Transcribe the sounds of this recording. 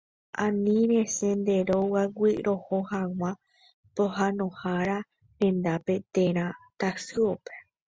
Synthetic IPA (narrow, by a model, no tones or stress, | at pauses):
ã̰nĩɾe̞sẽnd̪e̞ɾowawʷiɾʔo̞hohaw̃ʷã | pohãnõ̞haɾa | ɾẽ̞nd̪ape̞t̪eɾ̃ãt̪asɨope